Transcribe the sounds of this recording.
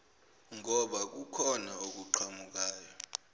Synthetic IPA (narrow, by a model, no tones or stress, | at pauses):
ŋɔɓak̬ukʰɔnaok̬uǃʰamuk̬aːjɔ